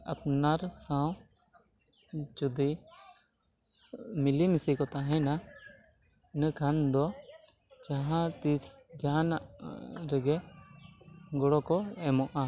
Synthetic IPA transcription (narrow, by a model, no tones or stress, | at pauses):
ɐ̰pnaɾsãw̃ | t͡ʃud̪i | milimisikɔt̪aɦɛ̃na | nəkʰand̪ɔ | d͡ʒaɦãt̪isd͡ʒaãna̰ʔɾəɡɛ | ɡɔɽɔkɔɛmɔʔa